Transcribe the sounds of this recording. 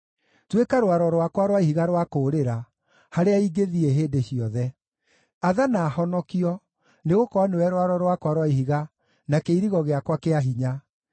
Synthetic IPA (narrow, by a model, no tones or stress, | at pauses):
twekaɾowaɾɔɾwakwaɾwaihiɣaɾwakoːɾeɾa | haɾeaiɡeðieɦeːndeɕiɔðɛ | aðanaːhɔnɔkiɔ | neɣokɔanewɛɾwaɾɔɾwakwaɾwaihiɣa | nakeiɾiɣɔɣeakwakeaɦiɲa